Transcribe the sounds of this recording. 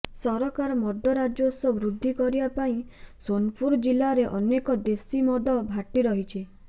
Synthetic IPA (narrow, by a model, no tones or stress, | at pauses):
sɔɾɔkaɾɔmɔd̪ʱɔɾad͡ʒosɔbɾud̪ʱːikɔɾibapaĩsonpʰuɾɔd͡ʒilaɾeʔɔnekɔd̪esimɔd̪ɔbʱaʈiɾɔɦit͡ʃʰi